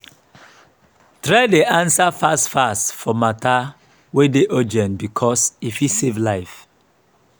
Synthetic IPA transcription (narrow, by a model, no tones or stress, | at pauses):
tɾadeʔãnsafastfastfɔmata | wedeʔod͡ʒɛ̃nbikʰɔsifisevlaɪf